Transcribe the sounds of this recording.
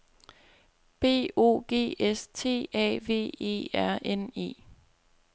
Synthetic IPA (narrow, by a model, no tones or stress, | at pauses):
b̥e̝̰ːo̝̰ːɡ̥e̝̰ːest͡sʰe̝̰ːɛ̰ːʋe̝̰ːe̝̰ːæɐ̰ʔene̝̰ː